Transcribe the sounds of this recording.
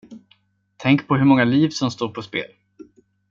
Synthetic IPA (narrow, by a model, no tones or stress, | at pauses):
t̪ʰɛŋkpʰɔɦɵɾmɔŋːaliːvsɔmst̪oːɾpʰɔspḛːl